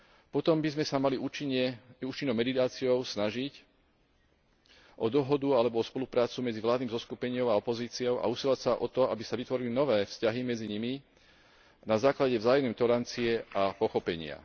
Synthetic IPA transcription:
pɔt̪ɔmbizmɛsamaliut͡ʃiɲɛuːt͡ʃinːɔʊmɛd̪it̪aːt͡siɔʊsnaʒic | ʔɔd̪ɔɦɔd̪ualɛbɔɔspɔlupɾaːt͡sumɛd͡ziʋlaːd̪niːmzɔskupɛɲɪɔʊaɔpɔziːt͡siɔʊʔa̰usilacsaʔɔt̪ɔa̰bisaʋit̪ʋɔɾilinɔʋɛːfscaɦimɛd͡ziɲimi | nazaːklaɟɛvzaːjɔmnɛt̪ɔɾant͡siɛʔapɔxɔpɛɲɪa̰

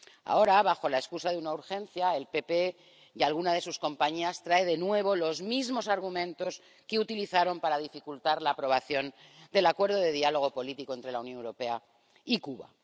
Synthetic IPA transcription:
a̰o̞ɾaβ̞axo̞lae̞skusaðeunauɾxẽ̞nθjae̞lpe̞pe̞ | jalɣunaðe̞susko̞mpaɲiast̪ɾae̞ðe̞nwe̞β̞o̞lo̞zmizmo̞saɾɣ̞umẽ̞nt̪o̞s | keut̪iliθaɾo̞mpaɾaðifikult̪aɾlaːpɾo̞β̞aθjo̞nd̪e̞lakwe̞ɾð̞oðe̞ðialo̞ɣ̞o̞po̞lit̪iko̞ent̪ɾe̞launjonewɾope̞a | ikuβa̰

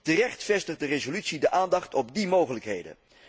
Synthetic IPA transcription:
tərɛχtfɛstədərezolytsidəʔaːndɑχtɔb̚dimowχələkɦḛjdə̰n

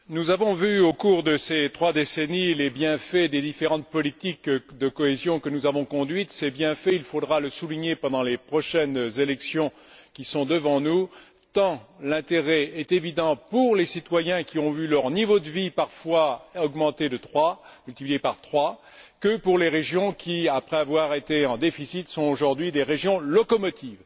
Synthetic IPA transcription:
nuzavɔ̃vyokuʁd̪əset̪χwad̪esenilebjɛ̃fɛd̪ed̪ifeʁɑ̃t̪̚pɔlit̪ikd̪əkɔezjɔ̃kənuzavɔ̃kɔ̃d̪ɥit̪sebjɛ̃fɛilfod̪ʁaləsuliɲepɑ̃d̪ɑ̃lepχɔʃɛnzelɛksjɔ̃ | kʲisɔ̃d̪əvɑ̃nu | t̪ɑ̃lɛ̃t̪eʁɛɛt̪evid̪ɑ̃puʁlesit̪wajɛ̃kʲiɔ̃vylœʁnivod̪əvipaʁfwaɔɡmɑ̃t̪ed̪ət̪χwamylt̪iplizepaʁt̪χwa | kəpuʁleʁeʒjɔ̃kʲiapχɛavwaʁet̪eɑ̃d̪efisit̪sɔ̃oʒuʁd̪ɥid̪eʁeʒjɔ̃lɔkɔmɔt̪ʰiv

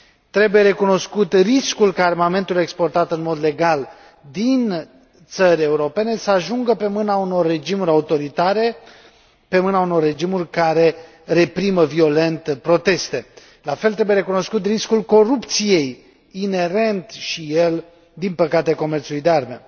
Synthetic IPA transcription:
t̪ɾe̞buje̞ɾe̞kuno̞skut̪riskulkaaːɾrmame̞nt̪ule̞kspo̞rt̪at̪ɨnmo̞d̪le̞ɡal | d̪in | t̪səɾʲe̞uɾo̞pe̞ne̞səaʒuŋɡəpe̞mɨnauno̞rːe̞d͡ʒimuɾʲaut̪o̞ɾit̪aɾe̞ | pe̞mɨnauno̞rːe̞d͡ʒimurʲkaɾe̞ | re̞pɾiməvio̞le̞nt̪pɾo̞t̪e̞st̪e̞ | lafe̞lt̪ɾe̞bujee̞kuno̞skut̪riskulko̞ɾupt̪sije̞j | ine̞ɾe̞nt̪ʃijel | d̪inpəkat̪eko̞mert̪sulujd̪earme̞̰

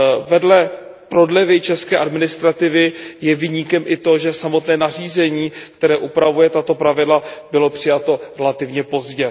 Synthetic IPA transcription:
vɛdlɛ | pɾo̞dlɛvɪt͡ʃɛskɛːʔadmɪnɪst̪ɾat̪ɪvɪjɛvɪɲikɛmʔɪt̪o̞ʒɛsamo̞t̪nɛːnar̝iːzɛɲiːkt̪ɛɾɛːʔupɾavujɛt̪at̪o̞pɾavɪdlabɪlo̞pr̝̥ɪjat̪o̞ɾɛlat̪ɪvɲɛpo̞zɟɛ

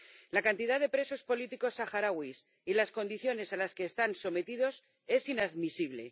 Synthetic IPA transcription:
lakant̪iðaðe̞pɾe̞so̞spo̞lit̪iko̞saxaɾaɣwis | ilasko̞nd̪iθjo̞ne̞salaske̞ːst̪anso̞me̞t̪ið̞o̞s | e̞sinaðmisiβ̞le̞

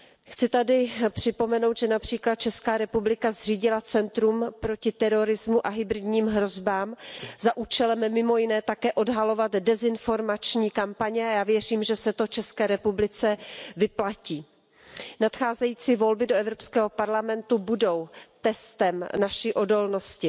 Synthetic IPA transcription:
xt͡sɪt̪adɪpr̝̥ɪpo̞mɛno̞wt̪ʒɛnapr̝̥iːklat̪̚t͡ʃɛskaːɾɛpublɪkazr̝iːɟɪlat͡sɛnt̪ɾumpɾo̞cɪt̪ɛɾoɾɪzmuʔaɦɪbɾɪdɲiːmɦɾo̞zbaːmzaʔuːt͡ʃɛlɛmːɪmo̞jɪnɛːt̪akɛːʔo̞dɦalo̞vat̪dɛzɪnfo̞ɾmat͡ʃɲiːkampaɲɛajaːvjɛr̝iːmʒɛsɛt̪oft͡ʃɛskɛːɾɛpublɪt͡sɛvɪplaciː | nat̪xaːzɛjiːt͡siːvo̞lbɪdoʔɛvɾopskɛːɦo̞paɾlamɛnt̪ubudo̞wt̪ɛst̪ɛmnaʃiːʔo̞do̞lno̞scɪ

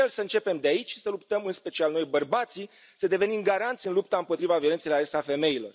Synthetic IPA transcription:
elsəɨnt͡ʃe̞pe̞md̪eait͡ʃʲʃi̥səlup̚t̪əmɨnspe̞t͡ʃialno̞jbərbat̪si | səd̪e̞ve̞nimɡaɾant̪sijɨnlupt̪aɨmpo̞t̪ɾivaviole̞nselaest̪afe̞me̞ilo̞̰r

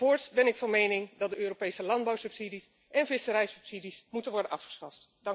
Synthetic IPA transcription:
ʊːɹtbɛnɪkfɑnmejnɪŋdɑt̚dəøːropejsəlɑndbɑwsɵpsidis | ʔɛnvɪsəɾɛjsɵ̥psidismutənʋɔɹdənɑfχə̥sχɑftd̥ɑŋ

